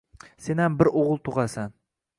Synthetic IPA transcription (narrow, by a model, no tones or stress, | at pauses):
senhambɪɾoʁɨlˠt̪ʰoʁɑsan